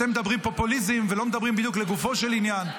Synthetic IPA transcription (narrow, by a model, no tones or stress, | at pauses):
t̪emed̪abʁimpo̞pulizimvelo̞med̪abʁimbid̪jukleɡufo̞ʃelinjan